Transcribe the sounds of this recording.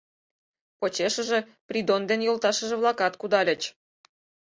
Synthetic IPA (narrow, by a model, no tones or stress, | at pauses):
pot͡ɕeʃə̆ʒĕ | prʲid̪ond̪enjolˠt̪ɑʃə̆ʒĕβlɑkɑt̪kud̪ɑlʲə̆t͡ɕ